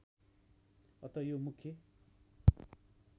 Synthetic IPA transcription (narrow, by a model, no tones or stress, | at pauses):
ʌt̪ʌjomukʰːjʌ